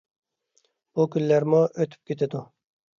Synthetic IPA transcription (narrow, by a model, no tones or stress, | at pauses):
b̥ukʲynlːæɾmuʔøt̪ʰy̥p̚kʲʰet̪ʰɪd̪u